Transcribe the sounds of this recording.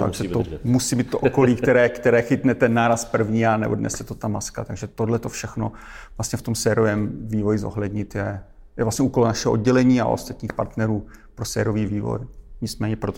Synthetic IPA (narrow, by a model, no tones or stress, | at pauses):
t̪a̰ɡʒɛt̪omusiːmiːt̪̚t̪oʔokoliːkt̪ɛɾɛːkt̪ɛɾɛːxɪt̪nɛt̪ɛnːaːɾaspr̩vɲiːanɛ̰bo̰dnɛ̰sɛt̪ot̪amaska̰t̪aɡʒɛt̪odlɛt̪o̞fʃɛxno | vlast̪ɲɛft̪o̞msɛːɾovɛmviːvojɪzo̰ɦlɛdɲɪt̪jɛ | jɛ̰vlast̪ɲɛuːko̞lonaʃɛɦood̪ɟɛlɛɲiːa̰o̰st̪at̪ɲiːxpa̰ɾt̪nɛɾuːpɾosɛːɾoviːviːvo̰jɲɪt͡smɛːɲɛpɾot̪